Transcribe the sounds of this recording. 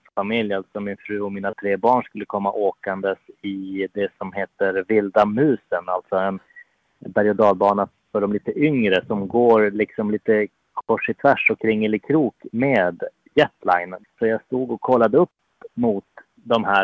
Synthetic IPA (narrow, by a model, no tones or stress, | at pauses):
famɪljalt̪sɔmɪnfɾʉ̟ːɔmiːnat̪ʰɾeːbɑːɳʂkɵlːəkʰɔmːaʔoːkand̪əsɪd̪ɛsɔmheːt̪əɾvɪld̪amʉ̟ːsənalt̪sɔɛn | baɾjɔd̪ɑːlbɑːna | fœɖɔmliːt̪əʔʏŋɾəsɔmɡoːɾlɪksɔmliːt̪ə | kʰɔʂɪt̪ʰvæʂɔkʰɾɪŋːəlɪkʰɾuːkmeːd̪ | jɛt̪la̰ɪnsɔjaːɡst̪uːɡɔkʰːɔlːad̪əɵpː | mʊt̪ | d̪ɔmhæː